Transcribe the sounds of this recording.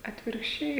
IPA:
ɐtʲʋʲɪrkʃʲˈt͡ʃʲɛɪ

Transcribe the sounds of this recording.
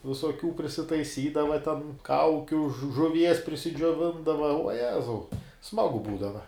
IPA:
ʋʲɪsoːˈkʲuː pʲrʲɪsʲɪtɐɪˈsʲiːdɐʋɐ tʲɛn ˈkɐʊkʲʊ ʒʊ ʒʊˈʋʲiɛs pʲrʲɪsʲɪd͡ʒʲoːˈʋʲɪndɐʋɐ uɔ ˈjæːzɐʊ ˈsmɑːɡʊ ˈbuːdɐʋɐ

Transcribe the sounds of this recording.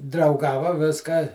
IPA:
drɐʊˈɡɑːʋɐ ˈʋʲɪskɑː

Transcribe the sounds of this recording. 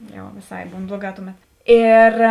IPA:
jɛʊ ʋʲeːˈsɐɪ ˈbuːn ˈblˠuɔˌɡɑː ˈtʊˌmʲɛt ˈeːr

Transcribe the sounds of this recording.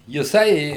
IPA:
jɪˈsɐɪ

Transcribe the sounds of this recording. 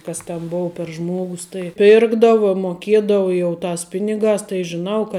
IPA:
ˈkɐs tʲɛn ˈboːʊ pʲɛr ˈʒmuɔɡʊs tɐɪ ˈpʲɪrɡdɐʋɐ moːˈkʲiɛdɐʋɐ jɛʊ ˈtɑːs ˈpʲɪnʲɪɡɑːs tɐɪ ʒʲɪˈnɐʊ kɐ

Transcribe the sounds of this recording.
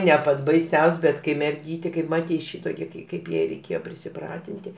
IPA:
nʲɛ ˈpɐtʲ bɐɪˈsʲɛʊsʲ bʲɛt kɐɪ mʲɛrʲˈɡʲiːtʲeː kɐɪp ˈmɑːtʲɛɪ ˈʃʲɪtoːkʲɛ kɐɪ ˈkɐɪp jɛɪ rʲɛɪˈkʲeːjoː pʲrʲɪsʲɪˈprɑːtʲɪnʲtʲɪ

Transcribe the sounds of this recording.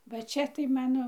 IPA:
ʋɐ ˈt͡ʃʲɛ tɐɪ ˈmɑːnoː

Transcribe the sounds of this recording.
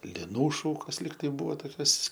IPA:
lʲɪˈnuː ˈʃuːkoːs ˈlʲiːk tɐɪ ˈbuːʋoː toːˈkʲoːs

